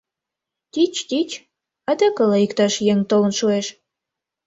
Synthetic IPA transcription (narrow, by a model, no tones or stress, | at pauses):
t̪ʲit͡ɕt̪ʲit͡ɕ | ɑd̪əkə̆lɑikt̪ɑʃjeŋʲt̪olə̆nʃueʃ